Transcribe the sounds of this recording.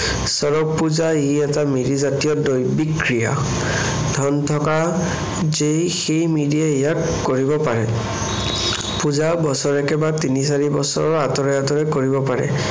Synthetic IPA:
sɔɹɔk̚puzaeɛtamidizatijɔdojbikɹija̰ | dʱɔntʰɔka | zejxejmidiɛejakːoɹibɔpaɹɛ | puzabɔsɔɹɛkɛbatinis̬aɹibɔsɔ̰ɹɔɹatɔɹɛatɔɹɛkoɹibɔpaɹɛ̰

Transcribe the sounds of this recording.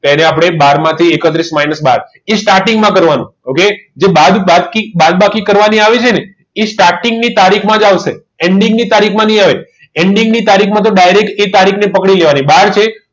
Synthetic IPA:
t̪eneapɽ̃ebaɾmãt̪ʰiekət̪ɾismainəsba̰ɾ | esʈaɾʈiŋɡmãkəɾʋanṵ̃oked͡ʒebad̪bad̪kibad̪̚bakʰikəɾʋaniaʋet͡ʃʰene | esʈaɾʈiŋɡnit̪aɾikʰmãd͡ʒaʋʃe | eɳɖiŋɡnit̪aɾikʰmãnəĩaʋe | eɳɖiŋɡnit̪aɾikʰmãt̪̬oɖajɾekʈet̪aɾikʰnepəkɽileʋanibaɾt͡ʃʰe

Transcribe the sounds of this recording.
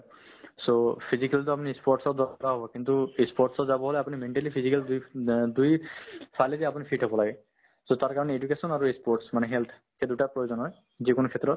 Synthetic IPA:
sopʰizikalt̪ɔapunispɔʈsɔd̪aɔɾaɦɔbɔkint̪uespɔɾʈsɔzabɔɦoleapunimeɳʈalipʰizikald̪jd̪ujpʰalet̪iapunipʰiʈɦɔbɔlaɡe | sot̪aɾkaɾɔneed͡ʒukesɔnaɾuespɔɾʈsmaneɦelt̪ʰ | ked̪uʈapɹɔjozɔnɦɔj | zikonukʰet̪ɾɔt̪

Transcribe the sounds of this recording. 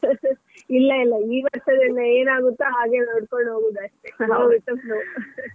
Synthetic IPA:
ilːɐilːɐiːʋɐɾʂɐd̪ɐnːɐeːnaːɡut̪ːaɦaːɡe̞noɽkoɳɖɦoːɡuːd̪ɐʂʈeɡoiʈ̪ːɐplu

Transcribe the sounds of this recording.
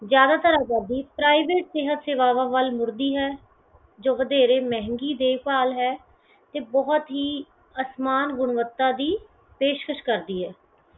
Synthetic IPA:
zjaːd̪aːt̪əɾaːɡaːd̪iːpɾaːiʋeːʈsɪɦət̪seːʋaːʋãːʋəlmʊɾd̪iːɦɛː | d͡ʒoːʋəd̪eːɾeːmɛ̃ɦŋɡiːd̪eːʋpaːlɦɛː | t̪eːbɔɦt̪ɦiː | əsmaːnɡʊɳʋət̪ːaːd̪iː | peːʃkəʃkəɾd̪iːɦɛː

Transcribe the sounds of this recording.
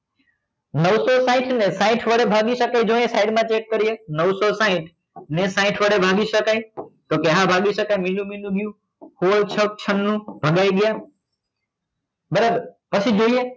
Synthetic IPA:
nɐʋsɔsaːɪ̃ʈʰnɛ̃saːɪ̃ʈʰʋɐɽebʱaːɠisɐkaid͡ʒõːẽsaːɪɖmãt͡ɕeːʈ̚kɐɾiɦenɐʋsɔsãːɪ̃ʈʰ | nɛ̃sãːɪ̃ʈʰʋɐɽebʱaːɠisɐkaĩt̪oːkeɦabʱaːɠisɐkamɪ̃nũmɪ̃nũɡɪjũ | hoət͡ɕʰɐkt͡ɕʰɐnːũbʱɐɠaːiɠɪjaː | bɐɾəbpɐsid͡ʒoːiɦẽ

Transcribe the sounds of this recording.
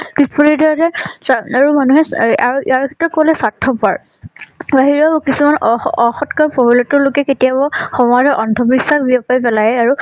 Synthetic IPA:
bipuɹiɹdɔɹatɛsaɹumanuɦɛaiaɹkʰɛ̥tɹɔt̚kolɛsatʰːɔpaɹ | baɦiɹɔbɔkisumanɔxɔtkaɹpɔbilɔtʊɹlʊkɛketijabɔxɔmɔdʱɔʔɔndʱɔbisaxbiɔpajpɛlajɛaɹu

